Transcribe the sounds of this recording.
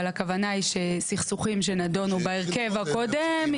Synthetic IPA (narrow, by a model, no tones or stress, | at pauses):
lakavanaiʃesiχsuχimʃ̬enado̞nubaeʁke̞vakodem